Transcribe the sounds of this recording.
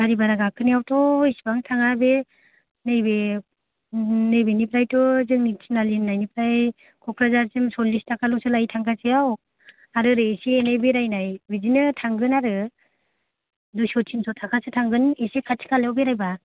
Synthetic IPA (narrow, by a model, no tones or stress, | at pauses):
ɡaɾibaɾaɡakʰɯniawtʰɔisbaŋtʰaŋabe | nɯjbe | nɯjbenipɾajtɔzɯŋnitʰinalinːajnipɾaj | kʰɔkʰɾazaɾsimsɔlːistakʰalɔsɯlajtʰaŋkʰasijaw | aɾɯɾɯesienajbeɾajnajbizinɯtʰaŋɡɯnaɾɯ | dusɔtʰimsʰɔtʰakʰasɯtʰaŋɡɯnesekʰatʰi̥kʰaljawbeɾajba